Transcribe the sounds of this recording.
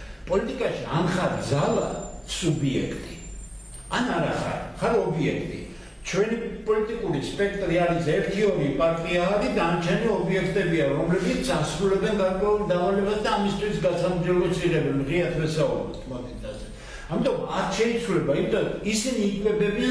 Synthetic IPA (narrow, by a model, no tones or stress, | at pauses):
pʼɔlit̪ʼikʼaʃianχaɾd̪zala̰subiɛ̰kʰt̪ʼi | anaɾaχa̰ɾχaɾɔbiɛkʰt̪ʼḭ | t͡ʃʰwɛnipʼɔlit̪ʼikʼuɾispʼɛkʰt̪ʼɾiaɾisɛɾt̪ʰiɔɾipʼaɾt̪ʼiaːɾid̪ant͡ʃʰɛnɔɔbiɛkʰt̪ʼɛbiaɾɔmlɛbit̪sasɾulɛbɛnɡaɾkʼwɛuld̪amalɛbasd̪aːmist̪ʰwisɡasamd͡ʒɛlit̪sʰiʁɛbɛnʁiat̪ʰvɛsaṵbɾɛ̰t̪ʰmɔd̪it̪ʰazɛ | amit̪ʼɔmaɾʃɛit̪sʰwlɛbaimit̪ʰʼaisiniːkʼʰwɛbɛbi